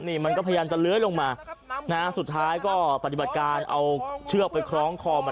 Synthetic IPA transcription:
niː˥˩ma˧nkɔː˥˩pʰjjaː˧mt͡ɕa˨˩lɯ˦˥əjlo˧ŋmaː˧na˦˥su˨˩t̪ʰːaː˦˥jkɔː˥˩pa˨˩t̪i˨˩ba˨˩t̪̚kaː˧nʔa̰˧wt͡ɕʰɯ˥˩ək̚pa˧jkʰɾɔː˦˥ŋkʰɔː˧ma˧

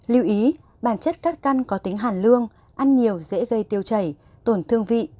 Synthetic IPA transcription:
lḭ˧˨wʔi˨˦ | ɓaː˧˩nt͡ɕə˦˥t̚kaː˦˥t̚ka˧nkɔ˨˦t̪ï˨˦ŋɦaː˧˩nlɨ˧əŋ | ʔa˧nɲi˨˩əwzḛ˧˥ɣə˧jt̪i˧əwt͡ɕə˧˩j | t̪o˧˩nt̪ʰɨ˧əŋvḭ˧˨ʔ

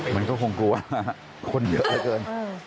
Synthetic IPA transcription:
ma˧nkɔː˥˩kʰo˧ŋklu˧waː˥˩˥ | kʰo˧njɤ˦˥ʔa˧˥˩kɤː˧n

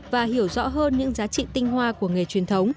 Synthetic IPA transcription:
vaː˨˩hi˧˩əwzɔ̰˧˥ɦəː˧nɲɨ̰˧˥ŋzaː˨˦t͡ɕḭ˧˨t̪ï˧ŋ̟hwaː˧ku˧˩əŋ˨e˨˩t͡ɕwi˨˩ənt̪ʰə˨˦wŋ͡m

